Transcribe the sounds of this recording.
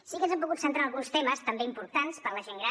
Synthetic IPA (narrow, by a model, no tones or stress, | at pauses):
sikənzɛmp̬uɣut̪sənt̪ɾanəlˠɣunst̪eməst̪əmbeimpuɾt̪anspəɾləʒeŋɡɾa